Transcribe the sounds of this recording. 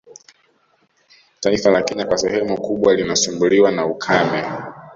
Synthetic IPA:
taifalakɛɲakwasɛhɛmukuɓwalinasimbuliwanaukʰamɛ

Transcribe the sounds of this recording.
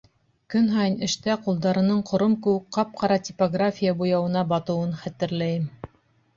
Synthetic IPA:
kɵnɦɑjɤnɘ̆ʃt̪æqulˠd̪ɑɾɤ̆nɤɴqʰŏɾɤmkɘ̆wɘkqɑp̚qʰɑɾɑtʲipoɡrafʲijabujɑwɤ̆nɑbɑt̪ɤ̆wɤnχæt̪ɘ̆ɾlæjɘm

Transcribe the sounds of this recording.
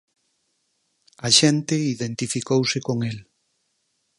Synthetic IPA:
ɐʃẽnt̪ɪiðẽnt̪ifikowsɪkoŋel

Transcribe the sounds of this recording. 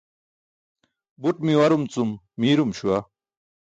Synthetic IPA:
buʈmiwɐɾumt͡sumː | iːɾumɕuɐ

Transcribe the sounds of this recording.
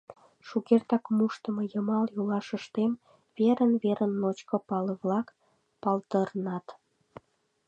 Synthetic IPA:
ʃukert̪ɑkmuʃt̪əmɤjəmɑljulɑʃəʃt̪em | βeɾənβeɾʔənːot͡ɕkopɑleβlɑk | pɑlt̪ərnɑt̪

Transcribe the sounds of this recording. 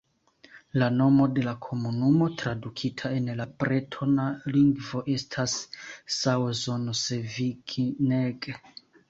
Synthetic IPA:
lano̞mo̞de̞lakʰo̞munumo̞tɾadukʰitʰae̞nlapɾetʰonaliŋɡvo̞ʔe̞stʰasː | awzonoseviɡneɡ

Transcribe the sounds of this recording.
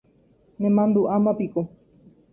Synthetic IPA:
nẽmãnd̪uʔamãpiko

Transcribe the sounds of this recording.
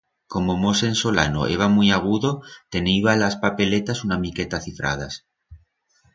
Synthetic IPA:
ko̞momose̞nso̞la̰no̞̰ʔe̞βamujaɣ̞uðo̞t̪e̞niβalaspape̞le̞t̪asunamike̞t̪aθifɾa̰ð̞as

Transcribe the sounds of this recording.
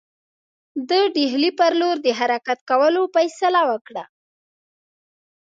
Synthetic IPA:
d̪əɖiɦlipəɾloɾd̪əɦaɾakat̪kawəlofajsalawəkɽa

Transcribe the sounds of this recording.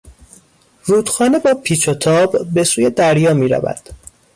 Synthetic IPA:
ruːd̪̥xɒːne̞bɒːpʰiːt͡ʃʰot̪ʰɒːbːe̞suːje̞d̪æɾjɒːmiːɾæ̰væ̰d̪̥

